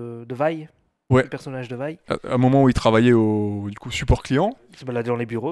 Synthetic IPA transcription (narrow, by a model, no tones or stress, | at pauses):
d̪əvaj | wɛpɛʁsɔnaʒd̪əvaj̰a̰mɔmɑ̃uilt̪χavajɛod̪ykusypɔʁklijɑ̃ | sebalad̪ed̪ɑ̃lebyʁo